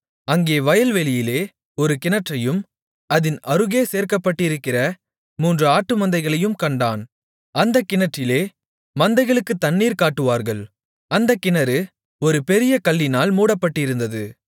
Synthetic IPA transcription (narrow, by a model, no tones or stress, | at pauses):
ɐŋɡeːʋɐjɐlʋɛlɪjɪleː | ɔɾɯkɪnɐʈrɐjɯm | ɐðɪnɐɾɯɣeːseːɾkɐpːɐʈːɪɾɯkːɪrɐ | muːndrɯaːʈːɯmɐnd̪ɐɪɣɐɭɐjɯmkɐɳɖaːn | ɐnd̪ɐkːɪnɐʈrɪleː | mɐnd̪ɐɪɣɐɭɯkːɯt̪ːɐɳːiːɾkaːʈːɯʋaːɾɣɐɭ | ɐnd̪ɐkɪnɐɾɯ | ɔɾɯpɛɾɪjɐkɐlːɪnaːlmuːɽɐpːɐʈːɪɾɯnd̪ɐðɯ